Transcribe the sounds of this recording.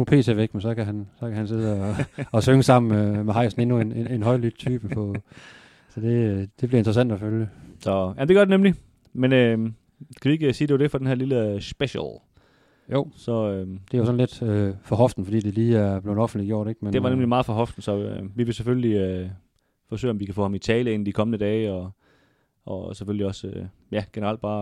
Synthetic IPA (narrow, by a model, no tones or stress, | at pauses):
upʰe̝̰ːt͡sʰefeɡ̥mensɒ̽kʰæɦænsɒ̽kʰæhænse̝ðˠəɒɒsøŋəsɑ̈m̰n̩meɦɑ̈ɪ̰sn̩e̝nuenenenɦɒ̽ɪ̰lyd̥̚t͡sʰyːb̥əppʰɔ | sɒ̽d̥e̝d̥e̝b̥liɐend̥ʁɐsæn̰d̥ɒføljəsɒjæm̩d̥eɡɶɐd̥enemli | menø | skʰæʋieɡəsiːd̥e̝ʋʊd̥e̝fɒd̥enɦæɐliləsb̥eɕəlˠ | jo̰sɒ̽ød̥eæjosɒ̽n̩led̥øfɒ̽ɦɒ̽fd̥n̩fɒd̥ḭːd̥e̝liːæɐb̥lenɒfn̩d̥liɡjo̝̰ɐ̰ɾ̥eɡ̥mend̥e̝ʋɑ̈nemlimɑ̈ːð̩ˠfɒ̽ɦɒ̽fd̥n̩sɒ̽ʋiʋe̝sefølliø | fɒ̽sø̰ːɒmʋikʰæfɔ̰̽ːhɑmit͡sʰɛːləe̝n̩d̥ikʰɒ̽mənəd̥ɛːɒ | ʔɒ̽sefølliɒ̽sø | jæɡ̥enəʁɑl̰d̥̚b̥ɑ̈ː